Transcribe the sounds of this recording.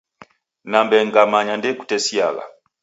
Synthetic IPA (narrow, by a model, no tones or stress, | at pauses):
nambɛŋɡamaɲandɛku̥tɛsia̰ɡa̰